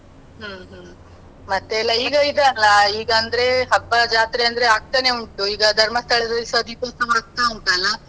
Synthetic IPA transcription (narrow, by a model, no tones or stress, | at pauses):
ɦɐːɦː | mɐt̪ːeɛlːɐiːɡɐid̪ɐɐlːɐiːɡɐːnd̪ɐɾe̞ɦɐbːɐd͡ʒaːt̪ɾeɐnd̪ɐɾeaːɡ̚t̪ɐneuɳʈːuiːɡɐd̪ʱɐɾmɐst̪ʰɐɭed̪ɐisɐd̪ipɐst̪ɐmɐɾɐt̪ːauɳt̪aːlɐ